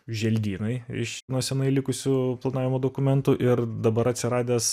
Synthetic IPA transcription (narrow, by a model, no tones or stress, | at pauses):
ʒʲɛlʲd̪ʲiːnɐɪɪ̰ʃnuɔsʲɛnɐɪlʲɪkʊsʲʊplˠɐnɑːʋʲɪmoːd̪oːkʊmʲɛnt̪uːʔɪɾd̪ɐbɐɾɐt̪ʲsʲɪɾɑːd̪ʲeːs